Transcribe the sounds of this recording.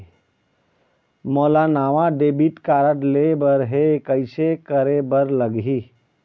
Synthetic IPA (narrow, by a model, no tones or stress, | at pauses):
moːlanaːʋãɖeːbiʈkaːɾəʈlebəɾɦekəɪsekəɾebəɾləɡɦi